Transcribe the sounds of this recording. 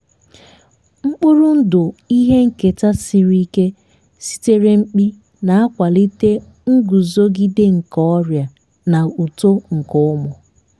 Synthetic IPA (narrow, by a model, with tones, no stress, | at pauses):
ŋ͡m̩˦k͡pʊ˦ɾʊ˦n̩˦dʊ˨i˦ɦe˦ŋ̩˦ke˨ta˦si˨ɾi˦ke˦ | si̥˦te˦ɾe˦ŋ͡m̩˦k͡pi˦ | na˨a˦kʷa˨li˦te˦ | ŋ̩˦ɡu˨zo˦ɡi˦de˦ŋ̩˨kɔ˦ɾja˨ | na˨u˨to˦ŋ̩˨kʊ˦ʊ˦mʊ˨